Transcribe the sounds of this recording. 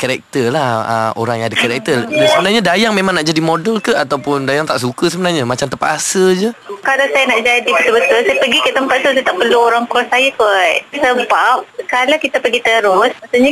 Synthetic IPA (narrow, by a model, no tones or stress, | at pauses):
kaɾɛk̚t̪əlahə̰o̰ɾaŋjaŋadakəɾɛk̚t̪ərsəbənarɲadajaŋmemãŋnaʔd͡ʒadimodəlkəat̪awpʊndajaŋt̪aʔs̬ukəsəbənarɲamat͡ʃamt̪əmpat̪asəd͡ʒəkalawsajanaʔd͡ʒadibət̪ʊbət̪ʊlsajapəɡikəʔt̪əmpat̪̚sut̪ət̪aʔpəluoɾaŋpɾɔsajakosəbap̚kalawkit̪apəɡit̪əɾʊsmaʔsuʔɲa